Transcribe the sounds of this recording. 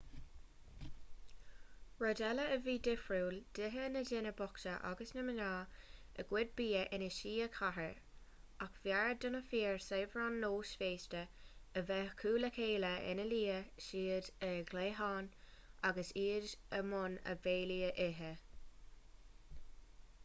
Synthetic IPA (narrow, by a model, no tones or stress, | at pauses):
ɹɔdɛləəviːdɪfɹuːld̥ɪɦənədɪnəbɔkʃəʔa̰ɡəsnəmənaː | ə̰ɡ̥wɪd̚biːəʔɪnəʃiːəkʰaɦəɹ | akv̥jaɹəd̪ʊnəfiːɹseːvɹanːoːʃfeːstəəvɛkʰuːləkʰeːləʔɪ̰nəliːəʃiːədəɡleːɦɑːnʔaɡəsiːd͡ʒəmʊnə̰veːliːəʔɪɦə